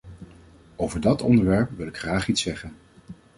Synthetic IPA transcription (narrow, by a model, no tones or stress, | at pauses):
owvəɹdɑtɔ̰ndəɹʋɛɹpʋɪlˠɪkχraːχitsɛχən